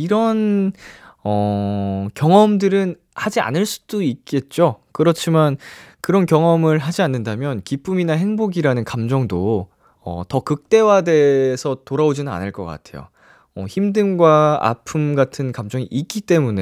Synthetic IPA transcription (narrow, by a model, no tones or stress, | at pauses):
iɾʌn | ʌ | kjʌŋʌmdɯɾɯn | had͡ʑia̰nɯɭs͈u̥d̥oik͈e̞t̚t͡ɕ͈okɯɾʌt͡ɕʰimankɯɾʌnkjʌŋʌmɯɭɦad͡ʑianːɯndamjʌnkip͈uminaɦeŋboɡiɾanɯnkamd͡ʑʌŋdo | ʌ̰tʌkɯk̚t͈e̞wade̞sʰʌtoɾaod͡ʑinɯna̰nɯɭk͈ʌk͈a̰tʰe̞jo̰ | ʌ̰çimdɯmɡwaa̰pʰɯmɡatʰɯnkamd͡ʑʌŋiʔik͈it͈e̞mune̞